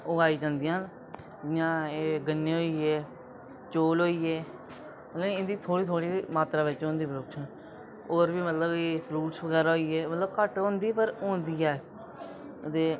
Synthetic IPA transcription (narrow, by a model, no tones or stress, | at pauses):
oaːiːd͡ʒãːnd̪ɪjãːɦn | ɪjãːeːɡənːeːɦoːiːeː | t͡ʃoːlɦoːiːeː | əəɪnd̪iːt̪ʰoːɽiːt̪ʰoːɽiːmaːt̪ɾaːʋɪt͡ʃɦõːnd̪iːpəɾokʃən | oːɾʋiːmət̪ləbeːfɾuːʈsʋəɡɛːɾaːɦoːiːeːmət̪ləbkəʈɦõːnd̪iːpəɾõːnd̪iːɛː | t̪eː